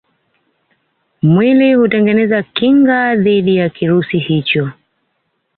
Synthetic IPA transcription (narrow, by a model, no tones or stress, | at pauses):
mwilihutɛŋɡɛnɛzakiŋɡaðiɗijakiɾusihit͡ʃɔ